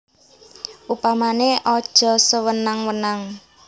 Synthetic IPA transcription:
ʔupamaneʔɔd̥ʒ̥ɔ̤səwənaŋwənaŋ

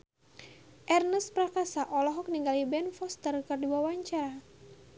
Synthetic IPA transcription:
ʔɛrnəspɾakasaʔɔlɔɦɔk̚niŋɡalibɛnfɔst̪ərkərduawaɲt͡ʃaɾa

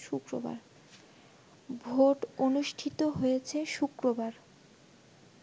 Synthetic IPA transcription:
ʃukɾo̰ba̰ɾ | bʱoʈonuʃʈʰit̪oɦojet͡ɕʰeʃukɾobaɾ

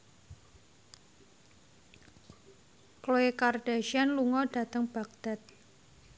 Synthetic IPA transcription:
kloekard̥aʃianluŋɔd̥a̤t̪əŋb̥a̤k̚d̥a̤t̪̚

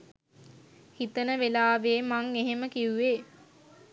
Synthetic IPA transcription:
hit̪ənəʋelaːʋeːmaŋeɦeməkiuʋeː

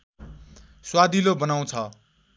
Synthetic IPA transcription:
swad̪ilobʌnaw̃t͡sʰʌ

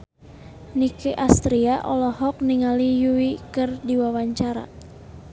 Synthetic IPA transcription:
nikɛʔast̪ɾiaʔɔlɔɦɔk̚niŋalijuwikɨrdiwawaɲt͡ʃaɾa̰

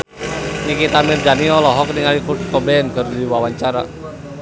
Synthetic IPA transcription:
nikit̪amird͡ʒaniɔlɔɦɔkəniŋalikkɔbɛɛnkərdiwawaɲt͡ʃaɾa̰

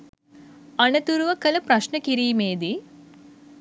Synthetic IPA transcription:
ɐnɐt̪uɾuʋɐkɐlɐpɾɐʃnɐkiɾiːmeːd̪i

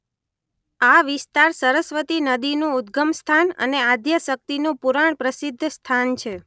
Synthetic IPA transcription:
aʋɪst̪aɾsəɾəsʋət̪inəd̪inũud̪̚ɡəmst̪ʰanə̰nead̪ʱjəsək̚t̪inũpuɾaɳ̃pɾəsid̪ʱːst̪ʰant͡ʃʰe

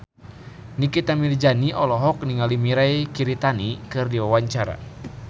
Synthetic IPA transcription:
nikit̪amird͡ʒaniʔɔlɔɦɔk̚niŋalimiɾaikiɾit̪anikɨrdiwawaɲt͡ʃaɾa̰

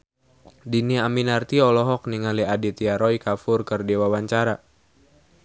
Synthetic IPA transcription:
diniaminart̪iɔlɔɦɔk̚niŋaliadit̪iaɾɔikafʊrkərdewawaɲt͡ʃaɾa

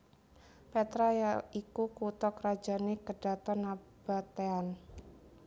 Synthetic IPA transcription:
pɛt̪ɾajaikukut̪ɔkrḁd͡ʒa̤nekəd̥a̤t̪ɔnab̥at̪ean

